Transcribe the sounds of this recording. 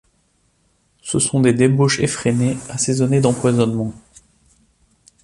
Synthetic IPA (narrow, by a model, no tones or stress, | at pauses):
səsɔ̃d̪ed̪eboʃefχeneasezɔned̪ɑ̃pwazɔnmɑ̃